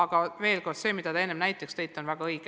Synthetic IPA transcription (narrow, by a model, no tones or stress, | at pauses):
ɑɡ̥ɑve̞ːlko̞rd̪̥se̞ːmid̪ɑt̪ɑe̞nːemnæjt̪ːˑekst̪ejt̪ːˑonvæɡ̥ɑɤjɡ̥